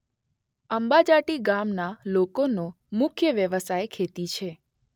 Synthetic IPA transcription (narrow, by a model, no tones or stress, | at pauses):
əmbad͡ʒaʈiɡamnalokono | mʊkʰjəʋjəʋəsajkʰet̪it͡ʃʰe